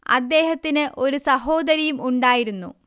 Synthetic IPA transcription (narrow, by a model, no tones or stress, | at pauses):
ɐ̰d̪ːe̞ːɦɐt̪ːinɨʔo̞ɾusɐɦo̞ːd̪ɐɾɐjumuɳɖaːjiɾunːṵ